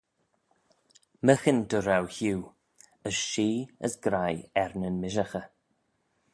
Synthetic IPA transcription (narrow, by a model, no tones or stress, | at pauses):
məxəndəɾawhuː | əsʃiːə̰sɡɾajɛɾnənmɪʒaxə